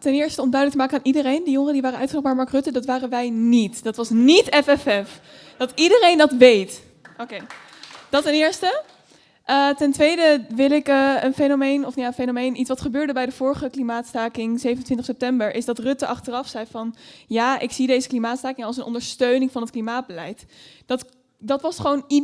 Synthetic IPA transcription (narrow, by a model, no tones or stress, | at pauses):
tɛnɪːɹstəɔmdœɥdələktəmaːkənaːnʔidərejndəjʊŋəədiʋaːrəʔœ̰ɥtχənɔmaɹmɑɹkrɵtədɑtʋaːrənʋɛjnitd̥ɑtʋɑsnitɛfɛfɛf | d̥ɑtidərejndɑtʋejt | ʔokej | d̥ɑtɛnɪːɹstə | ʔətɛntʋejdəʋɪlɪkəənfejnomejnɔfjaːənfejnomejnʔitsʋɑtχəbøːɹdəbɛjdəv̥ʊːɹχəklimaːtstaːkɪŋzejvənətʋɪntəχsɛp̚tɛmbəɹʔɪzdɑtrɵtəʔɑχtərɑfsɛjfɑnjaːʔɪksidejzəklimaːtstaːkɪŋɑlˠs̬ənʔɔ̰ndəɹstøɥnɪŋvɑnət̚klimaːd̚bəlɛjtd̥ɑt | dɑtʋɑsχəʋowni